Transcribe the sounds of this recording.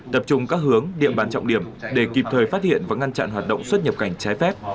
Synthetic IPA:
t̪ə˨˩p̚t͡ɕʊ˨˩ŋ͡mkaː˦˥k̚ɦɨ˨˦əŋɗḭ˧˨əmɓaː˨˦nt͡ɕɔ̰˧˨wŋ͡mɗi˧˩əmɗe˧˩ki˨˩p̚t̪ʰəː˨˩jfaː˦˥t̚hḭ˧˨ənvaː˨˩ŋa˧nt͡ɕa̰˧˨nhɦaː˨˩t̚ɗə̰˧˨wŋ͡mswə˦˥t̚ɲə˨˩p̚ka˧˩jŋ̟t͡ɕaː˨˦jfɛ˦˥p̚

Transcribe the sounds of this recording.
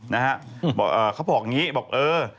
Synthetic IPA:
na˦˥ha˦˥ʔbɔː˨˩k̚ʔɤː˨˩kʰa˦˥wbɔː˨˩k̚ŋiː˦˥bɔː˨˩k̚ʔɤː˧

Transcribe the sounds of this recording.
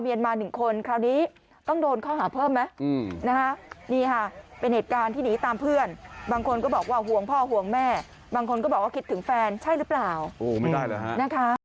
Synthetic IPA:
mi˧ʔa˧nmaː˧nɯ˨˩ŋkʰo˧nkʰɾaː˧˩wniː˦˥ | t̪ɔ˥˩ŋdoː˧nkʰɔː˥˩ɦaː˩˦pʰɤː˥˩mːa˦˥˧na˦˥kʰa˦˥niː˥˩kʰa˥˩pe˧nheː˨˩t̪̚kaː˧nt̪ʰiː˥˩niː˦˥t̪aː˧mpʰɯ˥˩ənbaː˧ŋkʰo˧nkɔ˥˩bɔː˨˩k̚waː˥˩ɦu˨˩əŋpʰɔː˥˩ɦu˨˩˦əŋmɛː˥˩ | baː˧ŋkʰo˧nkɔː˥˩bɔː˨˩k̚waː˥˩ki˦˥t̪ʰːɯ˩˦ŋfɛː˧nt͡ɕʰa˥˩jɾɯ˦˥plaː˨˩wʔoː˨˩ma˥˩jda˥˩jlɤː˨˦ɦa˦na˦˥kʰa˦˥

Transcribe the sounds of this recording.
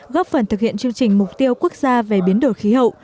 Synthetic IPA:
ɣɔ˦˥p̚fə˨˩nt̪ʰɨ˨˩k̚hḭ˧˨ənt͡ɕɨ˧əŋt͡ɕï˨˩ŋ̟mʊ˨˩k͡p̚t̪i˧əwku˦˥ək̚zaː˧ve˨˩ɓi˨˦ənɗo˨˩jxi˨˦ɦə̰˧˨wʔ

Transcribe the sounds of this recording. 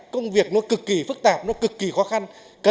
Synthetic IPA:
kə˧wŋ͡mvi˨˩ək̚nɔ˨˦kɨ˨˩kːi˧˩fɨ˦˥k̚t̪aː˨˩p̚nɔ˨˦kɨ˨˩kːi˧˩xɔ˨˦xa˧n | kə˨

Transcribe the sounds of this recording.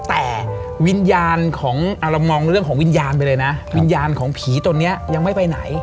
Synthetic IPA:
t̪ɛː˨˩wi˧njaː˧nkʰɔː˩˦ŋʔa˨˩ɾa˧wmɔː˧ŋɾɯ˥˩əŋkʰɔː˩˦wi˧njaː˧npa˧jlɤː˧jna˦˥wi˧njaː˧nkʰɔː˩˦ŋpʰiː˩˦t̪o˧nːi˦˥ɐja˧ŋma˥˩jpa˧jna˩˦j

